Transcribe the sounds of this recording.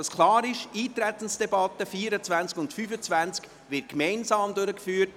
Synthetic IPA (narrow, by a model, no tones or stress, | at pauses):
ɑskʰlˠɑːɾɪʃiːt̪ɾɛt̪ən̩sd̥ɛbɑt̪əfiːɾət͡svænt͡skʊntfyfət͡svænt͡sk | ʋɪt̚kmɛɪnsɑːmd̪ʊɾəkfyːt̚